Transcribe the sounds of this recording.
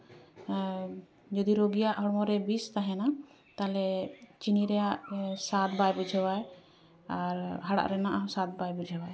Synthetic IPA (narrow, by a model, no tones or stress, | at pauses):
d͡ʒɔd̪iɾoɡijaʔɦɔɽɔmɔɾɛbist̪aɦɛna | t̪alɛt͡ʃiniɾɛjaʔsat̪̚bajbud͡ʒʱɛwaj | aɾɦaɽa̰ʔɾɛnaʔaɦɔsat̪̚bajbud͡ʒʰʱɛwaj